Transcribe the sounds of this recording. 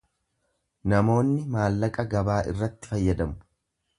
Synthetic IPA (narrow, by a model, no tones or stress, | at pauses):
nɐmo̞ːnːɪmaːlːɐkʼɐɡɐbaːʔɪ̰rːɐt̪ːɪ̥fɐjːɐd̪ɐmʊ̥